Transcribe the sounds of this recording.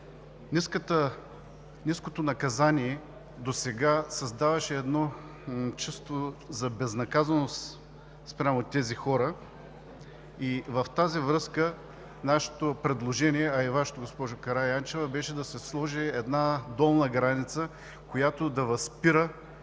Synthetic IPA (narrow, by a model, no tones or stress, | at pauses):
niskət̪ə | niskot̪onɐkɐzaniɛ | d̪osɛɡasɐzd̪avɐʃɛːd̪nɔ | t͡ʃəst̪vozɐbɛznɐkazɐnost̪ | spɾʲamot̪ɛzixɔɾə | ivɐft̪azivɾɤskə | naʃɛ̥t̪opɾɛd̪lˠoʒɛniɛɐivaʃɛ̥t̪oɡospɔʒʊkɐɾaant͡ʃɛvɐbɛʃɛd̪ɐsɛslˠɔʒiɛd̪nad̪ɔlˠnəɡɾanit̪sə | kojat̪od̪ɐvɐspiɾə